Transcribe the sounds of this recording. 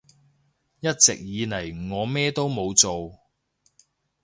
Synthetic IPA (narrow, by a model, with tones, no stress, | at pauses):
jɐ˥t̚t͡sɪ̰˨k̚jiː˨˧nɐ˨˩jŋɔː˨˧mɛː˥t̪o˥wmo˨˧wt͡so˨w